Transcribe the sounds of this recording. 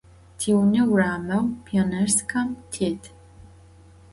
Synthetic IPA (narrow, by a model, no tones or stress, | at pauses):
tʰiwnɨwraːmɐwpʰionɐrskʰamtʰeːtʰ